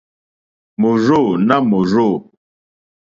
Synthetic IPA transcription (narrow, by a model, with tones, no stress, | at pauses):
mo˨ɾo˦˨na˦mo˨ɾo˦˨